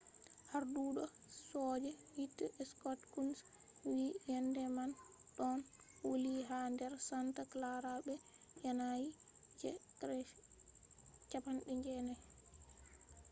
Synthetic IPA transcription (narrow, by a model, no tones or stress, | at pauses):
haɾduɗɔsɔd͡ʒɛhitːaɛskɔtkunswijɛndɛmanɗɔnwoliɦandɛɾsantaklaɾabɛjanajid͡ʒɛkɾɛʃ | t͡ʃapanɗɛɲd͡ʒɛna